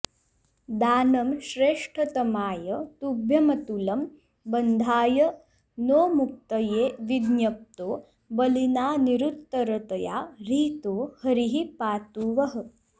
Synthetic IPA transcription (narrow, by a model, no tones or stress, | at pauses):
d̪aːnɐmʃɾeːʂʈʰɐt̪ɐmaːjɐt̪ubʱjɐmɐt̪ulɐm | bɐnd̪ʱaːjɐ | noːmuk̚t̪ɐjeːʋid̪njɐp̚t̪oː | bɐlinaːniɾut̪ːɐɾɐt̪ɐja̰ːɾiːt̪oːhɐɾiɦipaːt̪uːʋɐɦɐ̆